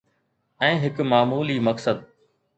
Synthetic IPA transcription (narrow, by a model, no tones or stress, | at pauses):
ɛ̃ːɦɪkmaːmuːlimɐksəd̪̚